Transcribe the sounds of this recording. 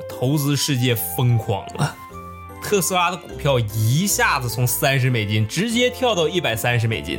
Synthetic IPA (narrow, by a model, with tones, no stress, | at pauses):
t̪ʰo˧˥ʊt͡sɹ̩˧˥ʂɻ̩˥˧t͡ɕjɛ˥˩fɤ˥ŋkʰwɑ̰˨˩ŋlə̰˦ | t̪ʰɤ˥˩sɹ̩˥la˥d̪ə˨kʊ˨˩pʰjɑ˥˩ʊi˧˥ɕja˥˩d͡zɹ̩˨˩t͡sʰʊ˧˥ŋsa˥nʂ̬ɻ̩˧˥me˨˩ɪt͡ɕi˥nʈ͡ʂɻ̩˧˥t͡ɕjɛ˥t̪ʰjɑ˥˧ʊt̪ɑ˥˧ʊi˥˩pa˨˩ɪsa˥nʂ̬ɻ̩˧˥me˨˩ɪt͡ɕḭ˥n